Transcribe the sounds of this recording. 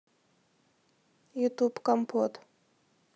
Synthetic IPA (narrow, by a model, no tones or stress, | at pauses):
jut̪upkɔmpot̪